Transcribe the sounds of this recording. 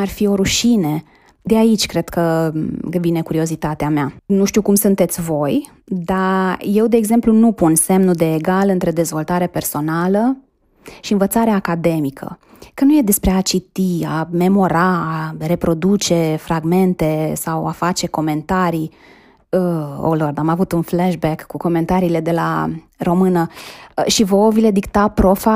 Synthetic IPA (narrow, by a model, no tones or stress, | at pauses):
arfio̞ɾuʃine | d̪eait͡ʃʲkɾe̞d̪̥kə | vine̞kuɾio̞zit̪at̪eameanuʃt̪iukumsunt̪e̞t̪sʲvo̞j | d̪aje̞wd̪e̞ːɡze̞mplunupunse̞mnud̪eːɡalɨnt̪ɾe̞d̪e̞zvo̞lt̪aɾe̞pe̞rso̞nalə | ʃiɨnvət̪saɾeakad̪e̞mikʰə̰ | kənuje̞d̪e̞spɾe̞at͡ʃit̪iame̞mo̞ɾaare̞pɾo̞d̪ut͡ʃe̞fɾaɡme̞nt̪e̞sawafat͡ʃe̞ko̞me̞nt̪aɾi | əo̰lord̪amavut̪unflɛʃbɛkːuko̞me̞nt̪aɾiːle̞d̪e̞la̰ | ro̞mɨnəʃivo̞vile̞d̪ikt̪apɾo̞fa